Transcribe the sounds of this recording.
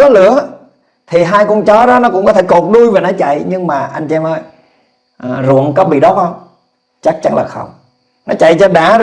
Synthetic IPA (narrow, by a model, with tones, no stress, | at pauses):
kɔ˨˦lɨ̰˧˦ə | t̪ʰi˨˩ɦaː˧jku˧t͡ɕɔ˨˦ɗɔ˨˦nɔ˨˦kʊ̰˧˥ŋ͡mkɔ˦t̪ʰe˧˦ko˨˩t̚ɗu˧jveː˨˩nɔ˨˦t͡ɕa̰˧˨jɲɨ˧ŋmaː˨˩ʔa˧jŋ̟t͡ɕɛ˧mʔəː˧j | ʔzʊ̰˧˨ənkɔ˨˦ɓḭ˧˨ɗɔ˨˦˥p̚hə˧wŋ͡m | t͡ɕa˦˥k̚t͡ɕa˨˦ŋlaː˨˩xə̰˧˩wŋ͡m | nɔ˨˦t͡ɕa̰˧˨jt͡ɕɔ˧ɗaː˧˦